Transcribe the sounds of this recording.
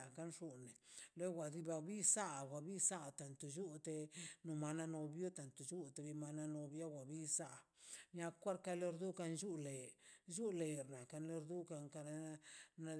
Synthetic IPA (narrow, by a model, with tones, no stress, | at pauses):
a˨ka˦nʂu˧ne˨le˦wa˨d̪i˧ba˧bi˦sa˦˨wa˨bi˦sa˦˨t̪a˨nt̪u˨d͡ʒu˦t̪e˧no˧ma˧na˦˧no˧bjo˦t̪a˨nt̪u˨d͡ʒu˦t̪e˧βi˧ma˧na˧no˧bja˦wʷa˨bi˦sa˦ʔ | ɲa˧kʷa˦ɾka˧le˦˧ɾd̪u˦ka˧nd͡ʒu˦le˨d͡ʒu˦le˨ɾna˨ka˧nle˧ɾd̪u˦ka˧ŋka˧ɾna˧